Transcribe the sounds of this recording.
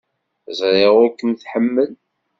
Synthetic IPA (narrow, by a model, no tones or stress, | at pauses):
zɾˤeʁʊɾkəmθħəmːəl